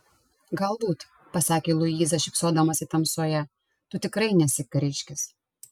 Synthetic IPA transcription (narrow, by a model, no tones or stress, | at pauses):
ɡɐlˠbuːt̪ | pɐsɑːkʲeːlˠʊjiːzɐʃʲɪksoːd̪ɐmɐsʲɪt̪ɐmsoːjɛ | t̪ʊt̪ʲɪkɾɐɪnʲɛsʲɪkɾʲɪʃʲkʲɪs